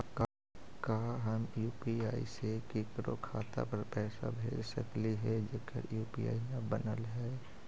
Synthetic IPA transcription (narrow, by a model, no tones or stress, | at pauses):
ka | kaːɦəmjuːpiaːḭsekeːkɾo̰kʰaːt̪a̰pəɾpɛːsa̰bʱeːd͡ʒsə̰kliɦɛd͡ʒekə̰ɾjuːpia̰ːijãbənəlɦɛː